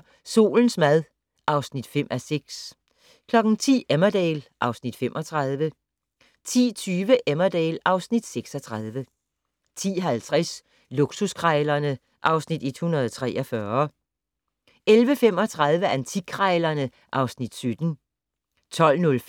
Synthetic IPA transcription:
so̝̰ːln̩smæð̞ˠ | ʔɑ̈ʊsnid̥fem̰ʔæseɡ̥s | kʰlɒ̽ɡ̥n̩t͡sʰḭːemɐd̥ɛ̰ːlʔɑ̈ʊsnid̥femʔɒ̽t͡sʰʁað̞ˠʋə | t͡sʰḭːt͡sʰyːʋəʔemɐd̥ɛ̰ːlɑ̈ʊsnid̥seɡ̥sɒt͡sʰʁaðˠʋə | t͡sʰḭːɦælt͡sʰʁas | luɡ̥suskʰʁɑɪlɐnə | ʔɑ̈ʊsnid̥e̝d̥hunɐð̞ˠt͡sʰʁɛ̰ːɒfɶɐ | elʋəfem̰ɒ̽t͡sʰʁað̞ˠʋəʔænt͡sʰikʰʁɑɪlɐnə | ʔɑ̈ʊsnid̥sød̥n̩ | t͡sʰɒ̽l̰nɔl

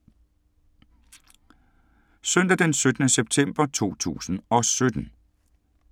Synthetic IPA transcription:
søn̰d̥æd̥ensød̥ənəseb̥̚t͡sʰem̰b̥ɐt͡sʰo̝̰ːt͡sʰṵːsn̩ɒ̽sød̥n̩

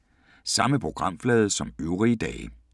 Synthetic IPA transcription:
sɑ̈məpʰʁo̝ɡ̥ʁɑ̈m̰flɛːð̞ˠsɒ̽møʊʁiəd̥ɛ̰ːɪ

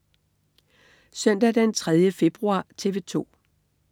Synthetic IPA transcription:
sœn̰d̥æd̥ænt͡sʰʁɛð̞ˠjəfe̝b̥ʁuɑ̰̈ːt͡sʰe̝ʋe̝t͡sʰo̝̰ː

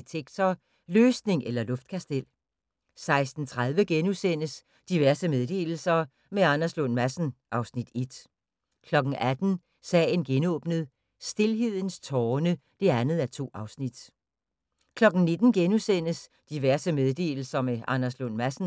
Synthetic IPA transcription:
t͡sʰeɡ̥t͡sʰɐ | løːsne̝ŋelɐlɔ̽fd̥kʰæsd̥el̰ | sɑ̈ɪsd̥n̩t͡sʰʁað̞ˠʋəɡ̥enusen̰əs | d̥iʋæɐsəmeð̞ˠd̥e̝̰ːl̩sɐ | meɑnɐslɔnmæsn̩ʔɑ̈ʊsnid̥e̝d̥ | kʰlɒ̽ɡ̥n̩ʔæd̥n̩ | sɛ̰ːɪnɡ̥enɔ̰ːb̥nəð̩ˠ | sd̥e̝lɦe̝ð̞̰ˠn̩st͡sʰɒːnə | d̥e̝ænð̞̩ˠæt͡sʰo̝̰ːɑ̈ʊsnid̥ | kʰlɒ̽ɡ̥n̩ne̝d̥n̩ɡ̥enusen̰əs | d̥iʋæɐsəmeð̞ˠd̥e̝̰ːl̩sɐmeʔɑ̈nɐslɔn̰mæsn̩

